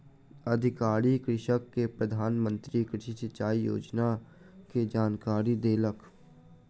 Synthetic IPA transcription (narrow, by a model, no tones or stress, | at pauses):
əd̪ʱɪkaːɾikɾɪʃəkːepɾəd̪ʱaːnmə̃nt̪ɾikɾɪʃisɪt͡ʃaːijo̰ːd͡ʒna | ked͡ʒaːnkaːɾid̪eːlək